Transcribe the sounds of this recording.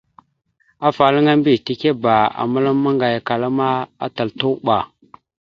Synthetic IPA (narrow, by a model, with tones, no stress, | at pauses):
a˦fa˨lə˦ŋa˦mbi˦˨ti˦˨ke˦ba˨a̰˨mə˦la˦mːa˦ŋɡa˨ja˨ka˨la˦ma˦a̰˦ta˨ltu˦ɓa˨